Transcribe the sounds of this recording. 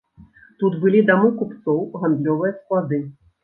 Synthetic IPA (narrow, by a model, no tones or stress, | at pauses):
t̪ut̪bɨlʲid̪amukupt̪sɔwɣand̪lʲɔvɨjɐsklˠad̪ɨ